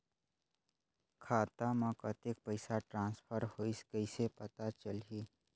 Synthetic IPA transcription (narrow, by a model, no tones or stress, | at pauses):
kʰaːt̪amãkət̪ek̚pəɪsaʈɾãːnspʰəɾhoiskəɪsepət̪at͡ʃəli